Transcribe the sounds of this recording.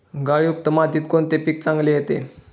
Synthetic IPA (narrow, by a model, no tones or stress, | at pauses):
ɡaɭijuk̚t̪əmat̪iːt̪̚koɳt̪epik̚t͡sãŋɡlejet̪e